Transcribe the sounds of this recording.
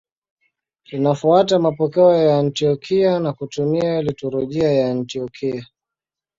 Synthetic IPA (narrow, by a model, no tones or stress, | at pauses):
tinafuatamapɔkɛɔjaːntiɔkʰianakutumiailitɔɾɔʄiajantiɔkʰia